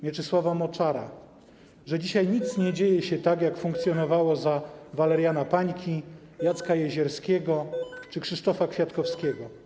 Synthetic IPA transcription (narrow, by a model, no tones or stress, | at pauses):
mʲjɛt͡ʂɘswavamɔt͡ʂaɾa̰ | ʐɛd͡ʑiɕajɲit̪sɲɛd͡ʑejɛɕɛt̪akjakfuŋkt̪sʲjɔnɔvawɔzavalɛɾjanapaɲkʲʰi | jat̪skajɛʑɛɾskʲɛɡɔt͡ʂɘkʂɘʂt̪ɔfakfʲjat̪kɔfskʲɛɡɔ